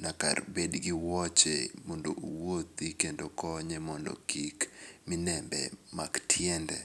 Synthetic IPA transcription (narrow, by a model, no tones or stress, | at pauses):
naka̰rbedɡɪwɔt͡ʃḛmɔndo̰ʔowot̪ikendokɔɲɛmɔndo̰kikmɪnɛmbɛ̰maktʰjɛndɛ̰